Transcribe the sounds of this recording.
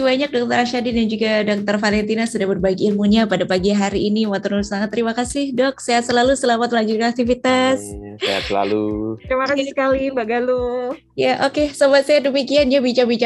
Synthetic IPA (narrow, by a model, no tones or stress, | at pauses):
ibaɲak̚dɔk̚t̪ɔɾaʃadidand͡ʒuɡadɔk̚t̪ɔrfalɛnt̪inasudahbərbaɡiilmuɲapadapaɡiɦaɾiːniwat̪ɔnunsəaŋat̪ːəɾimakasɪhdɔk̚sajat̪səlalusəlamat̪̚laɲd͡ʒʊrkanak̚t̪ifit̪assa̰ja̰t̪səla̰luamaaiisəkalibaɡalu | jaʔokesəbat̪sajadəmikiand͡ʒabit͡ʃabit͡ʃa